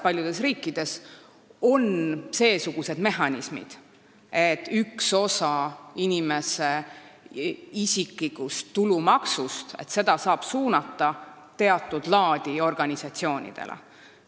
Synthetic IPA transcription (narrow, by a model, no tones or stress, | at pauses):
pɑlʲjud̪̥e̞sriːkːid̪̥e̞s | o̞nse̞ːsuɡ̥use̞d̪̥me̞ɦɑnʲismḭd̪̥ | et̪ːˑykso̞sɑinime̞se | isiklikˑust̪ːulumɑksust̪e̞̰t̪se̞d̪̥ɑsɑːb̥suːnɑt̪ːˑɑ | t̪e̞ɑt̪ːˑud̪̥lɑːd̪̥io̞rɡ̥ɑnʲisɑt̪sio̞ːnʲḭd̪̥e̞̰lḛ